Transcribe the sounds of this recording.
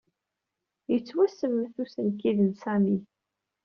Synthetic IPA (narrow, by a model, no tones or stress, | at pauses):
jət͡sːwæsəmːθusənkiðənsæmi